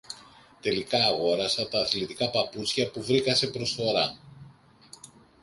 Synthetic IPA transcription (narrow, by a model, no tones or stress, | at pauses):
t̪e̞likɐːɣo̞ɾɐsɐt̪ɐːθlit̪ikɐpɐput͡sçɐpuvɾikɐse̞pɾo̞sθo̞ɾɐ